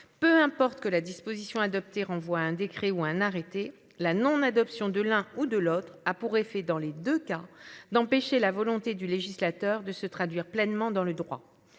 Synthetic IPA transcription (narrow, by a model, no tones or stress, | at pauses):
pøɛ̃pɔʁt̪kəlad̪ispozisjɔ̃ad̪ɔp̚t̪eʁɑ̃vwaɛ̃d̪ekχɛuɛ̃naʁet̪e | lanɔ̃nad̪ɔpsjɔ̃d̪əlɛ̃ud̪əlot̪χapuʁefɛd̪ɑ̃led̪økad̪ɑ̃peʃelavɔlɔ̃t̪ed̪yleʒislat̪œʁd̪əsət̪χad̪ɥiʁplɛnmɑ̃d̪ɑ̃ləd̪ʁwa̰